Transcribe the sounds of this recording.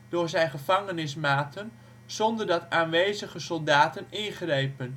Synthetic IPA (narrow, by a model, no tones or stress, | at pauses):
d̥ʊːɹzɛjnχəvɑŋənɪsmaːtʰən | z̥ɔndərdɑtaːnʋejzəχəsɔlˠdaːtənɪnχrejpən